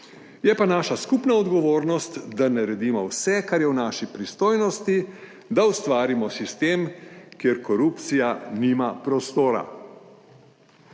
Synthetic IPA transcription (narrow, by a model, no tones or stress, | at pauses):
jɛpanaːʃaskupnaɔd̪ɡɔʋoːɾnɔst̪d̪anaɾɛd̪imɔwsɛkaɾjɛwnaːʃipɾist̪oːjnɔst̪i | d̪aust̪ʋaːɾimɔsist̪eːmkjeɾkɔɾupt̪sijanimapɾɔst̪oːɾa̰